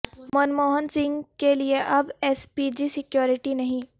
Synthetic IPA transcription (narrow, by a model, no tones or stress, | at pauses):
mənmoːɦənsɪ̃ŋɡkelieʔɐbeːspiːd͡ʒisɪkjoːɾɪʈinɐɦĩː